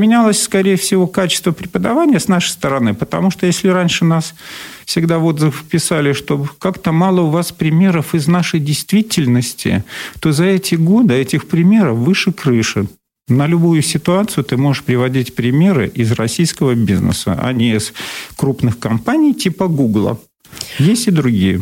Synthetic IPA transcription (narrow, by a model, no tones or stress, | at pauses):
mʲɪnʲalˠəsʲskɐɾʲejəfsʲɪvo̞kat͡ɕɪst̪vəpɾʲɪpəd̪ɐvanʲɪjəsnaʂə̥jst̪əɾɐnɨpət̪ɐmuʂt̪ojesʲlʲɪɾanʲʂɨnasfsʲɪɡd̪avo̞d̪zəffpʲɪsalʲɪʂt̪o̞kakt̪əmalˠəʊvaspɾʲɪmʲe̞ɾəfɪznaʂəjdʲɪjst̪vʲitʲɪlʲnəsʲtʲʰɪ̰t̪o̞zɐɛtʲɪɡo̞d̪ɨɛtʲɪxpɾʲɪmʲe̞ɾəfvɨʂɨkɾɨʂɨ | nəlʲʊbujʊsʲɪt̪ʊat̪sɨjʊt̪ɨmo̞ʐɨʂpɾʲɪvɐdʲitʲpɾʲɪmʲe̞ɾɨ̰ʔɪzrɐsʲijskəvəbʲiznə̰sə̰ʔɐ̰nʲɪɪskɾupnɨxkɐmpanʲɪjtʲipəɡuɡlˠə̰ | jesʲtʲɪd̪ɾʊɡʲijə̰